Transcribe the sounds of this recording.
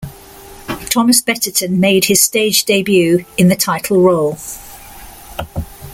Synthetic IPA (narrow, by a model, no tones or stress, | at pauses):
tʰɒməsb̥ɛtətʰə̃nmeɪdɪz̥steɪd͡ʒdeɪbjʉːɪ̃nðətʰaɪtʰˡəl̩ˠɹoʊlˠ